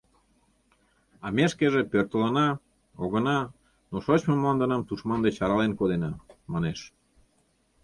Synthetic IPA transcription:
ɑmeʃkeʒepørt̪ələnɑ | oɣənɑ | noʃot͡ɕməməlɑnd̪ənɑmt̪uʃmɑnd̪et͡ɕɑɾɑlenkod̪enɑmɑneʃ

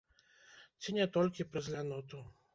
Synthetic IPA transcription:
t͡sʲinʲɛt̪ɔlʲkʲipɾɐzʲlʲanɔt̪u

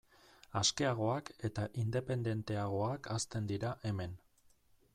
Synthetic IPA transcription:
aske̞aɣ̞o̞ake̞t̪aʔind̪e̞pe̞nd̪e̞nt̪e̞aɣ̞o̞akʰast̪e̞nd̪iɾaʔe̞me̞n

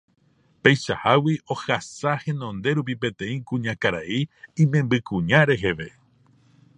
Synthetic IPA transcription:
pejʃahawiʔo̞hasahẽ̞nõ̞nd̪e̞ɾup̬ipẽ̞t̪ẽ̞ĩkũɲãkaɾaiĩmẽ̞mbɨkũɲãɾe̞ɦe̞ʋe̞

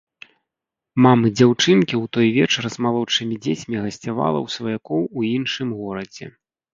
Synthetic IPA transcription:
mamɨd͡zʲawt͡ʂɨnkʲiwt̪ɔjvʲɛt͡ʂɐrzmalˠɔt͡ʂɨmʲid͡zʲet͡sʲmʲiɣɐsʲt͡sʲava̰lˠɐ̰wsvɐjakɔwuinʂɨmɣɔɾɐd͡zʲɛ̰

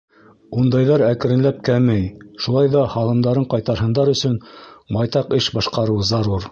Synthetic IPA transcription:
und̪ɑjðɑɾækɘ̆ɾɘ̆nlæp̚kæmɘjʃulˠɑjðɑhɑlˠɤ̆md̪ɑɾɤɴqɑjt̪ɑɾɦɤ̆nd̪ɑɾɵ̆sɵnbɑjt̪ɑqɘʃbɑʃqɑɾɤ̆wzɑɾuɾ

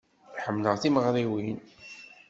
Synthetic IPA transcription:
θħəmːləʁθiməʁɾiwin

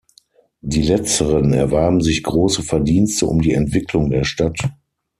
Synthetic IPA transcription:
diːlɛt͡stəʁənɛ̰ɐvaɐbm̩zɪçɡ̥ʁoːsəfɛɐdiːnstəʔʊ̰mdiːɛntv̥ɪklʊŋdeːɐʃtat

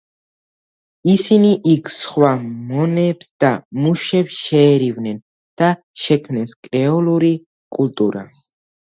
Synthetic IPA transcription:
isiniʔikʰsχwamɔnɛbsd̪̥amuʃɛbsʃɛːɾivnɛn | d̪̥a | ʃɛkʰmnɛnskʼɾɛɔluɾi | kʼult̪ʼuɾa

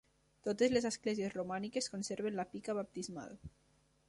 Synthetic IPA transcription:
t̪ot̪ezlezesklɛziezrumanikeskonseɾβ̞enlapikaβap̚t̪izma̰l

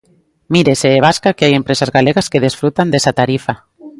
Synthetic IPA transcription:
miɾeseːβ̞askakeajempɾesazɣaleɣaskeð̞esfɾut̪and̪esat̪aɾifa

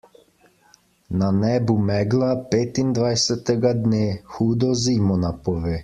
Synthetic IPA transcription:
nanɛːbumɛːɡlapeːt̪ind̪ʋajsɛt̪ɛɡad̪neːxuːd̪ɔziːmɔnapɔʋeː

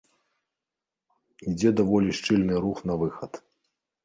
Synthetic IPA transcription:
id͡zʲɛd̪avɔlʲiʂt͡ʂɨlʲnɨɾuxnɐvɨxɐt̪

